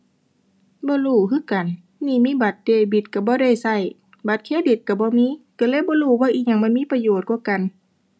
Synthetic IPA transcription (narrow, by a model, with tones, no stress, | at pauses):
bɔː˧˦luː˧˩kɯː˧˥˨ka˨n | niː˧˨miː˧˥˨ba˨˧˦t̪̚deː˧˩bi˧˩t̪̚ka˧˩bɔː˧˦dɾa˧˩jsa˧˩j | ba˧˦t̪̚kʰeː˧˥˨bi˧˩t̪̚ka˧˩bɔː˧˦miː˧˥˨ka˧˩lɤː˧˨bɔː˧˦luː˧˩˨waː˧˥ʔiː˧˩k̚ɲa˧˨ŋma˧˥˨nmiː˧˥˨pa˧joː˨˩t̪̚kuː˧˥˦ka˨n